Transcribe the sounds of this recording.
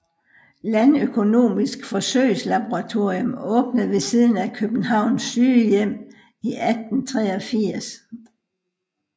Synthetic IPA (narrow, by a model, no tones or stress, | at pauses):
lænøkʰo̝no̝̰ːmisɡ̥fɒ̽søɪslɑb̥o̝ʁɑ̈t͡sʰo̝ɐ̰jomɔ̽ːb̥nəð̩ˠʋe̝siːð̞ˠn̩ækʰøb̥n̩ɦɑ̈ʊ̰nsːyːjem̰ | iʔæd̥n̩t͡sʰʁɛːɒfiɐ̰s